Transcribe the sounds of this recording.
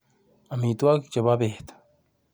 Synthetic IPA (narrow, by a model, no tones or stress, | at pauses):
amit̪uakit͡ʃababeht̪ḁ